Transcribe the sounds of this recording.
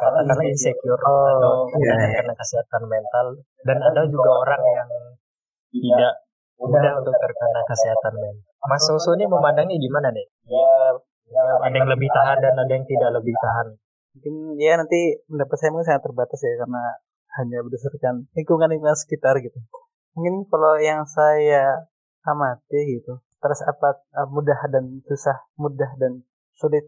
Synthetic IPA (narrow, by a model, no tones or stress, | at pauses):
kat̪akalainsɛkoɾɔ | akərkənakəsiɦat̪anmɛnt̪al | danadad͡ʒuɡaoɾaŋjaŋ | t̪it̪idaʔ | udaunt̪ʊk̚t̪ərkənakəsiɦat̪anmɛn | masosoɲaməmandaŋɲaɡimananɛ | ja | adajaŋləbɪht̪aɦandanadajaŋt̪idaʔləbɪht̪aɦan | muŋkɪnjanant̪idapat̪sajamuŋkɪns̬aŋat̪ːərbat̪asjakarna | haɲabədasarkanikuŋanikuŋansə̥kit̪arɡit̪u | muŋkɪnkalojaŋsajaː | mat̪iɡit̪ut̪əɾʊsapat̪̚əmudahdansusahmudahdan | sulɪt̪̚